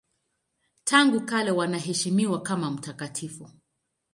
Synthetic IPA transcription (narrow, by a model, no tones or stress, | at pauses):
tʰaŋɡukalɛwanaɦɛʃimiwakamam̩takatʰifu